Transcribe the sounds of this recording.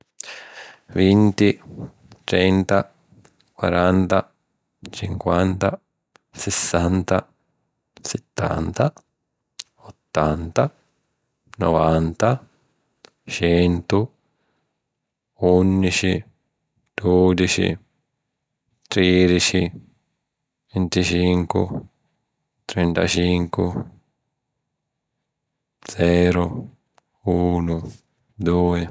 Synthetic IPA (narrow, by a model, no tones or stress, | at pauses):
vint̪i | t̪ɾɛnt̪a | kwa̰ɾant̪a | t͡ʃiŋkwant̪a | sɛsːant̪a | sɛt̪ːa̰nt̪a | ɔt̪ːant̪a | nɔvant̪a | t͡ʃɛnt̪u | unːit͡ʃi | d̪̥od̪it͡ʃḭ | t̪ɾeːd̪it͡ʃi | vent̪it͡ʃiŋkʊ̰ | t̪ɾɛnt̪a̰t͡ʃiŋku | d̪zɛːɾʊ | uːnʊ | d̪uːɪ